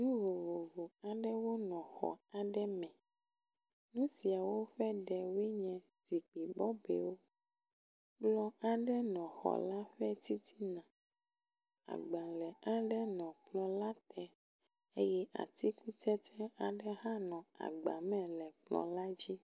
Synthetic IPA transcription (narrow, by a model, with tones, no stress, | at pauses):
nũ˦vo˨vo˨vo˨a˨ɖɛ˦wo˦nɔ̃˨xɔ̰˨a˨ɖɛ˦mɛ̃˨ | nũ˦si˨a˨wo˦ɸɛ˦ɖɛ˨wɛ˦ɲɛ̃˨ | si˨k͡pi˨bɔ˦bɛ̰˨wo˦ | blɔ˦a˨ɖɛ˦nɔ̃˨xɔ̰˨la˦ɸɛ˦t̪i˦t̪i˦nã˨ | a̰˨ɡ͡ba˨lɛ˨a˨ɖɛ˦nɔ̃˨k͡plɔ˦la˦t̪ɛ˦ | e˦jɛ˦ʔa̰˨t̪i˦ku˦tɛ˦tɛ˦a˨ɖɛ˦ɦã˦nɔ̃˨a̰˨ɡ͡ba˨mɛ̃˨lɛ˨k͡plɔ̰˨la˦d͡ʑi˦